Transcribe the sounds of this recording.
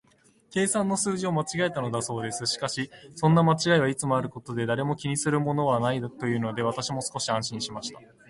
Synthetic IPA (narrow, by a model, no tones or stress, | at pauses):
ke̞ːsãnːo̞sɨːʑio̞mat͡ɕiɡae̞t̪ano̞d̪aso̞ːd̪e̞sɨɕi̥kaɕisõ̞nːamat͡ɕiɡaiβait͡sɨmo̞aɾɯ̟ko̞t̪o̞d̪e̞d̪aɾe̞mo̞kʲiɲ̟isɨɾɯ̟mo̞no̞βanaid̪t̪o̞jɯ̟ːno̞d̪e̞β̞at̪aɕimo̞sɨ̥ko̞ɕiãɰ̃ɕĩɰ̃ɕimaɕi̥t̪ḁ